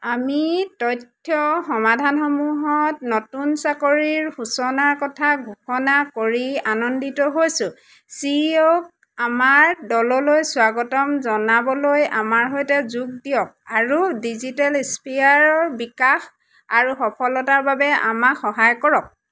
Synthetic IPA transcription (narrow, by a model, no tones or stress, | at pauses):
amitɔjtʰːɔxɔmadʱanxɔmuɦɔtnotunsakoɹiɹxusɔnaɹkɔtʰaɡʱuxɔnakoɹianɔnditɔɦojsʊ̃ | siok̚ | amaɹdɔlɔlojswaɡɔtɔmzɔnabɔloja̰maɹɦɔjtɛzuɡ̚dijɔk̚aɹudizitalispajaɹɔɹbikax | aɹuxɔpʰɔlɔtaɹbabɛa̰makxɔɦajkɔɹɔk̚